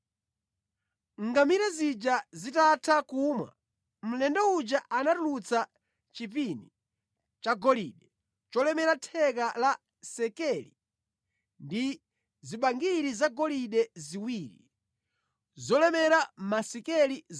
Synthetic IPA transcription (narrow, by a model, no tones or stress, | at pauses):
ŋɡamiɾazid͡ʒazitatʰakumwa̰ | m̩lɛndaud͡ʒaʔanatulut͡sa | t͡ʃip̬ini | t͡ʃaɡɔliːɗɛ | t͡ʃɔlɛmɛɾatʰɛk̬ala | sɛkɛlḭ | ndi | ziɓaŋɡiɾizaɡɔliɗɛziwiːɾi | zɔlɛmɛɾamasikɛli